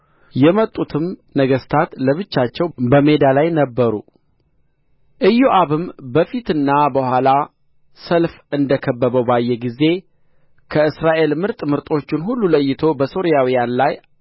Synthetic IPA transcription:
jɛmət̪ʼːut̪ʰɨmnəɡəst̪ʰat̪ləβɨt͡ʃːat͡ʃːɛwbəme̞d̪alajnəbːəɾṵ | ʔɨjːoʔaβɨmbəfit̪ɨnːabəhʷala | səlf | ɨnd̪əkʰəbːəβəwbajːɛɡize̞ | kʰəɨsɾaʔe̞lmɨɾt̪ʼmɨɾt̪ʼo̞t͡ʃːɪnɦulːuləjːɪt̪ʰo̞bəso̞ɾijawijanlaj

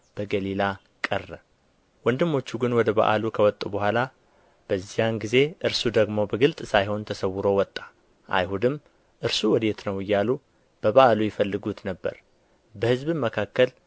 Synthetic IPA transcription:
b̥əɡəlila | kʼərːə | wɔnd̪ɨmːo̞t͡ʃːuɡɨnwɔd̪əba̰ʔa̰lukʰəwɔt̪ʼːubəɦʷala | b̥əzːijanɡize̞ʔɨɾsud̪əɡmo̞bəɡɨlt̪ʼsajɦo̞nt̪ʰəsəwːɨɾowɔt̪ʼːḁ | ʔa̰jhud̪ɨm | ʔɨɾsuwɔd̪et̪nəwɨjːalu | b̥əβaʔalujɪfəlːɨɡut̪nəbːə̰ɾ | bəhɨzbɨməkʰakːəl

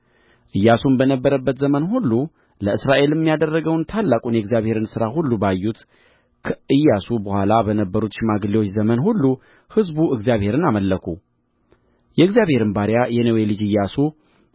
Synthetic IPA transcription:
ʔɨjːasunbənəbːəɾəbːət̪zəmənɦulːu | ləɨsɾaʔe̞ljɛmːijad̪ərːəɡəwnt̪ʰalːakʼunjɛɡzijaβhe̞ɾɨnsɨɾahulːubajːut̪ | kʰəʔɨjːasubəhʷalabənəbːəɾut̪ʃɪmaɡliwo̞t͡ʃːzəmənhulːu | hɨzbuɨɡzijaβhe̞ɾɨnaməlːəkʰu | jɛɨɡzjaβhe̞ɾɨnbaɾjajɛnəwelɨd͡ʒɨjːasu

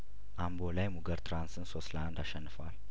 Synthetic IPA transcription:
ʔambolajmuɡəɾt̪ʰɾansɨnsosland̪aʃɛnːɨfal

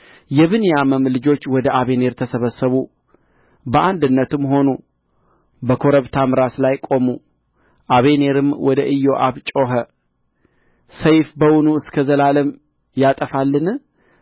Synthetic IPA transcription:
jɛβɨnjaməmlɨd͡ʒo̞t͡ʃːwɔd̪əʔaβe̞ne̞ɾt̪ʰəsəβəsːəβu | bəʔand̪ɨnːət̪ɨmɦo̞nu | bəkʰo̞ɾəβt̪ʰamɨɾaslajkʼo̞mu | ʔaβe̞ne̞ɾɨmwɔd̪əʔɨjːo̞ʔaβt͡ʃʼo̞ɦə | səjfbəwʊnuɨskʰəzəlaləm | jat̪ʼəfalːɨn

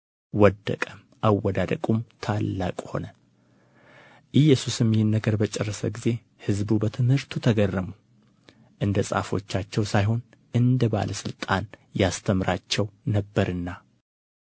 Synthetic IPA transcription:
wɔd̪ːə̰kʼəm | ʔawːɔd̪ad̪əkʼumt̪ʰalːa̰kʼho̞̰nə | ʔɨjːɛsusɨmːjɪnːəɡəɾbət͡ʃʼɛrːəsəɡize̞ | hɨzbubət̪ʰɨmhɨɾt̪ʰut̪ʰəɡərːəmu | ʔɨnd̪əsʼa̰fo̞̰t͡ʃːat͡ʃːɛwsajɦo̞n | ɨnd̪əba̰lʔəsɨlt̪ʼanjast̪ʰəmɾʔat͡ʃːɛwnəbːəɾɨnːa

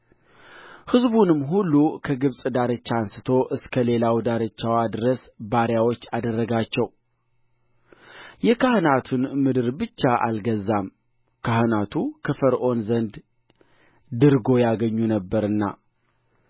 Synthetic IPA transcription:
hɨzbunɨmːɦulːukʰəɡɨβsʼd̪aɾɨt͡ʃːansɨt̪ʰo̞ʔɨskʰəle̞lawd̪aɾɨt͡ʃːawad̪ɨɾəsbaɾjawo̞t͡ʃːad̪ərːəɡat͡ʃːɛw | jɛkʰahɨnat̪ʰunmɨd̪ɨɾbɨt͡ʃːaʔa̰lɡəzːam | kʰahɨnat̪ʰukʰɨfəɾʔo̞nzənd̪ | d̪ɨɾɡo̞jaɡəɲːunəbːəɾɨnːa̰

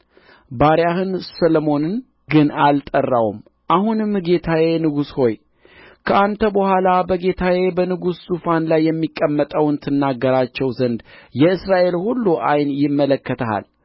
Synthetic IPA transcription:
baɾjahɨnsəlomo̞nɨn | ɡɨnalt̪ʼərːawṵm | ʔahunɨmɡe̞t̪ʰaje̞nɨɡusho̞j | kʰəʔant̪ʰəbəhʷalabəɡe̞t̪ʰaje̞bənɨɡusːufanlajːɛmːikʼːəmːət̪ʼəwɨnt̪ʰɨnːaɡːəɾat͡ʃːɛwzənd̪jɛɨsɾaʔe̞lhulːuʔajnjɪmːələkːət̪ʰəha̰l

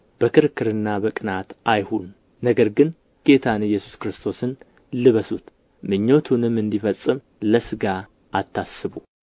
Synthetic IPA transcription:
b̥əkʰɨɾkʰːɨɾɨnːabəkʼɨnat̪ʔajhunː | əɡəɾɡɨn | ɡ̥e̞t̪ʰanjːɛsu̥skɾɨst̪ʰo̞sɨn | lɨβəsut̪ | mɨɲːo̞t̪ʰunɨmɨnd̪ifəsʼːɨm | ləsɨɡa | ʔat̪ʰːasːɨβu

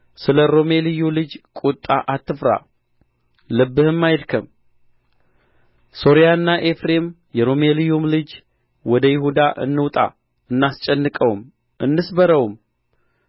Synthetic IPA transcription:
sɨləɾo̞me̞lɨjulɨd͡ʒkʼut̪ʼːaʔat̪ʰːɨfɾa̰ | lɨbːɨhɨmːajd̪kʰəm | so̞ɾijaɨnːaʔe̞fɾe̞m | jɛɾo̞melijumlɨd͡ʒ | wɔd̪əjɪɦud̪aʔɨ̰nːɨwt̪ʼa̰ | ɨnːast͡ʃʼɛnːɨkʼəwm | ʔɨnːɨsbəɾəwm

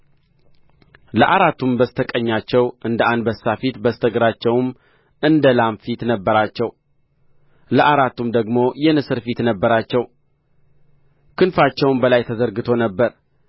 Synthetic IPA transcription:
ləʔaɾat̪ːumbəst̪ʰəkʼəɲːat͡ʃːɛwʔɨnd̪əʔand̪bəsːafit̪bəst̪ʰəɡɾat͡ʃːɛwm | ɨnd̪əlamfit̪nəbːəɾat͡ʃːɛw | ləʔaɾat̪ːumd̪əɡmo̞jɛnɨsɨɾfit̪nəbːəɾat͡ʃːɛw | kʰɨnfat͡ʃːɛwnbəlajt̪ʰəzəɾɡɨt̪ʰo̞nəbːəɾ

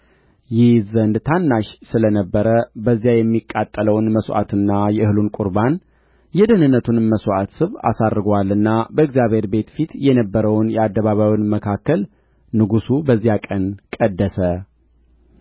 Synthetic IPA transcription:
jɪhzənd̪t̪ʰanːaʃsɨlənəbːəɾəbəzːjajɛmːikʼːat̪ʼːələwnməsʔa̰t̪ʰɨnːajɛɨhɨlunkʼʊɾban | jɛd̪ənɨnːət̪ʰunməswʔat̪sɨβa̰sadɾɡwalːɨnːabəɨɡzjaβhe̞ɾbe̞t̪fit̪jɛnəbːəɾəwnjɛad̪ːəβaβawnməkʰakʰːəl | nɨɡusubəzːijakʼənkʼəd̪ːəsə

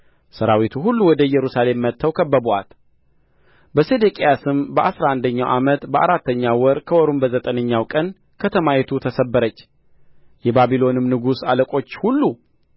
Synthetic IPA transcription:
səɾawit̪ʰuɦulːuwɔd̪əjɛɾusale̞mːət̪ʰːəwkʰəbːəboa̰t̪ | bəsed̪ekʼejasɨmbəʔasɾaand̪əɲːawʔamət̪bəʔaɾat̪ːəɲːawɔɾkʰəwɔɾumbəzət̪ʼənəɲːawkʼən | kʰət̪ʰəmajɛt̪ʰut̪ʰəsəbːəɾət͡ʃː | jɛbabilo̞nɨmnɨɡusaləkʼo̞t͡ʃːhulːu

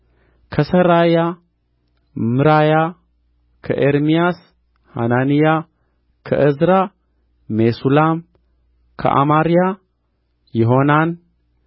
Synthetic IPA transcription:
kʰɐsɐɾaja | mɨɾaja | kʰɐʔeɾmijas | ha̰nanija | kʰɐ̰ʔɨzɾaː | esulam | kʰɐ̰ʔa̰maɾija | jɪɦonan

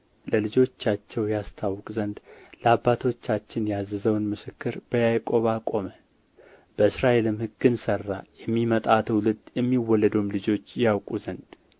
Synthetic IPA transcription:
ləlɨd͡ʒo̞t͡ʃːat͡ʃːɛwjast̪ʰawːkʼzənd̪ləabːat̪ʰo̞t͡ʃːat͡ʃːɪnjazːɨzəwnmɨsɨkːɨɾb̥əjajkʼo̞βakʼo̞mə | b̥əɨsɾaʔe̞lɨmhɨɡɨnsərːajɛmːimət̪ʼat̪ʰwlɨd̪jɛmːiwːɔlːəd̪wmlɨd͡ʒo̞t͡ʃːjawkʼuzənd̪

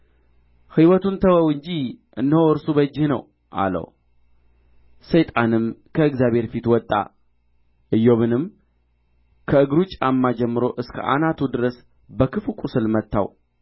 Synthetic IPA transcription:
hɨwɔt̪unt̪ʰəwəwɨɲd͡ʒiʔɨnːəoɨɾsubəd͡ʒːɪhnə̰w | ʔa̰lə̰w | səjt̪ʼanɨmkʰəɨɡzjaβhe̞ɾfit̪wɔt̪ʼːa̰ | ʔɨjːo̞βɨnɨm | kʰəɨɡɾut͡ʃʼamːad͡ʒɛmːɨɾo̞ʔɨskʰə̰ʔa̰nat̪ʰud̪ɨɾəs | bəkʰɨfukʷʼusɨlmət̪ʰːa̰w

